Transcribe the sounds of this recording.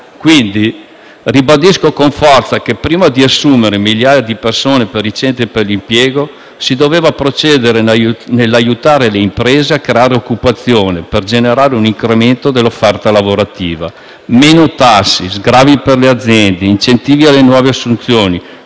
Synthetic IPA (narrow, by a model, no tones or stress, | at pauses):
kwind̪i | ribad̪iskokoɱfɔrt̪sakepːɾiːmad̪iasːuːmeɾemiljaːjad̪ipersoːnepeɾit͡ʃɛnt̪ɾiperlimpjɛːɡo | sid̪oveːvapɾot͡ʃɛːd̪eɾenelːajut̪aːɾeleimpɾeːzeakːɾeaːɾeokːupat̪sːjoːneperd͡ʒeneɾaːɾeuniŋkɾement̪od̪elːofːɛrt̪alavoɾat̪iːva̰ | meːnot̪asːizɡɾaːviperlead̪zːjɛnd̪eint͡ʃent̪iːvialːenwɔːveasːunt̪sjoːni